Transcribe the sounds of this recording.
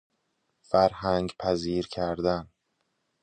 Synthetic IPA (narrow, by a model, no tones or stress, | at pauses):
fæɾhæŋɡpʰæziːɾcʰæɾd̪æn